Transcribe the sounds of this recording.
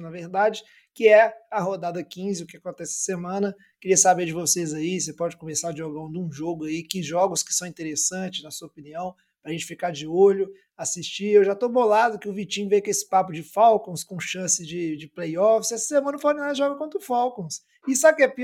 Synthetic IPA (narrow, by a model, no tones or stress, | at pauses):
nɐveɾd̪ad͡ʒɪ | kɪɛɐɦod̪ad̪ɐkĩzɪʊkɪakõnt̪ɛsɪɐ̥semɐ̃nɐ | kɪɾiɐsabed͡ʒɪvosezaisepɔd͡ʒɪkomesaɪʒoɡaũd̪ũʒoɡʊaikɪʒɔɡʊskɪsɐ̃w̃ĩnt̪eɾesɐ̃t͡ʃɪznɐsuɐopiniɐ̃w̃ | pɾɐʒẽnt͡ʃɪ̥fikad͡ʒɪoʎʊ | asist͡ʃiewʒat̪obolad̪ʊkɪʊvit͡ʃĩɲvejkɪesɪ̥papʊd͡ʒɪfawkõskõʃɐ̃sɪd͡ʒɪd͡ʒɪplejɔfɪsɛsɐ̥semɐ̃nɐfoɾĩnaʒɔɡɐkõnt̪ɾʊfawkõs | ɪsakɛp